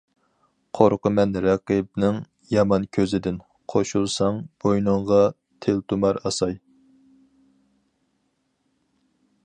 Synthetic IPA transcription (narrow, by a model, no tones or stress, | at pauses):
qʰoɾqəmɛnɾɑqɨp̚nɪŋ | jɑmɑnkʲʰøzɪd̪ɪn | qʰoʃulˠsɑŋb̥ojnɨɴʁɑ | t̪ʰelt̪umɑɾɑsɑj